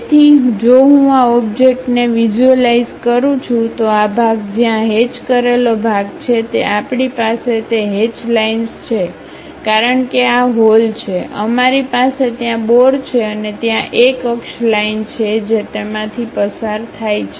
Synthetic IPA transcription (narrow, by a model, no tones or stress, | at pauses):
t̪ʰid͡ʒoɦũaɔbd͡ʒek̚ʈneʋid͡ʒuəlaizkəɾũt͡ʃʰũt̪oabʱaɡd͡ʒjãɦet͡ʃkəɾelobʱaɡt͡ʃʰet̪eʔapɳipaset̪eɦet͡ʃlainst͡ʃʰe | kaɾəɳkeaɦolt͡ʃʰeʔə̰maɾipaset̪jãboɽt͡ʃʰeənet̪jãʔekəkʃlaint͡ʃʰed͡ʒet̪emãt̪ʰipəsaɾt̪ʰajt͡ʃʰe